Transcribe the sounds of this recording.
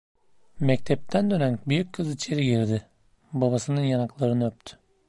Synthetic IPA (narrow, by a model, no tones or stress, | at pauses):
mɛc̚t̪ʰɛp̚t̪ʰænd̪ø̞nænbyjycʲʰːɯzit͡ʃʰe̞ɾiɟiɾd̪ɪ | babasɯnɯnjanaklˠaɾɯnɯøpt̪ʰy̥